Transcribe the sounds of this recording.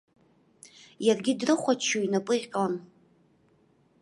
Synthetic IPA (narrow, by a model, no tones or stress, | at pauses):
jarɡʲɪdrɨχʷat͡ʃʰoinapʼɨqʲʼlan